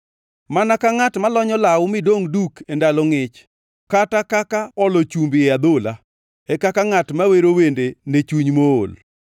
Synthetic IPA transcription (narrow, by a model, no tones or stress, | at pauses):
manakaŋatmalɔɲɔlawʊmɪdoŋdukʰendalɔŋɪt͡ʃ | katakakaɔlot͡ʃumbɪad̪ola | ɛkakaŋatmaweɾowendenet͡ʃuɲmo̰ːl